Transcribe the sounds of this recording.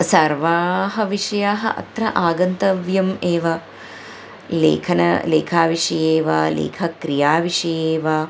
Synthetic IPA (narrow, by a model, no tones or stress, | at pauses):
sɐɾʋaːɦɐʋiʂɐjaːɦɐ̰ʔɐ̰t̪ɾɐʔaːɡɐnt̪ɐʋjɐmeːʋɐ | lḛːkʰɐnɐ̰lḛːkʰaːʋiʂɐjeːʋɐ̰lḛːkʰɐkɾijaːʋiʂɐjeːʋɐ